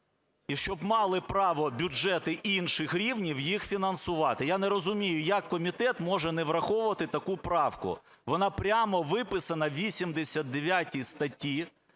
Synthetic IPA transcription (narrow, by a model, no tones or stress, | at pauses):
iʃt͡ʃɔbmɑlˠɪpɾɑʋɔbʲʊd͡ʒɛt̪ɪʔinʃɪxɾʲiwnʲiwjixfʲinɐnsʊʋɑt̪ɪjanɛɾɔzʊmʲijʊjɐkːɔmʲit̪ɛt̪mɔʒɛnɛʋɾɐxɔʋʊʋɐt̪ɪt̪ɐkupɾɑwkʊ̰ | ʋɔnɑpɾʲamɔʋɪpɪsɐnɐʋʲisʲimd̪esʲɐt̪d̪eʋʲjatʲijst̪ɐtʲːi